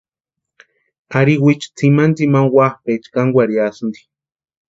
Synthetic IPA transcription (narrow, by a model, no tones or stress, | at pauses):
aɾiwit͡ʃt͡sʰimand̪imaŋwahpet͡ʃkaŋɡʷaɾiasnd̪i̥